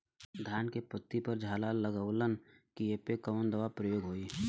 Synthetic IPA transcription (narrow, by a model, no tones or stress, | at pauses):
d̪ʱjaːnkepət̪ːipəɾd͡ʒʱaːlaːlːəɡəʊlənkiepekəːnd̪əʋapɾəjoːɡɦoːi